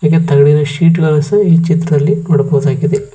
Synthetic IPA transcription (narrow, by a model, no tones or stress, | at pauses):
aːket̪ɐɡɐɽinɐʂiːʈɡɐlɐsɐiːt͡ʃit̪ːɾɐd̪ɐlːinoɽɐpɐʋɐd̪aːɡid̪e